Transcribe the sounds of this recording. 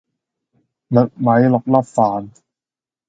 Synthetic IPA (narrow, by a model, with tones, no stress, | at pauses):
nɤ˨˩t̚ma˦˥jlɔ˨˩k̚la˥˩p̚faː˨˦n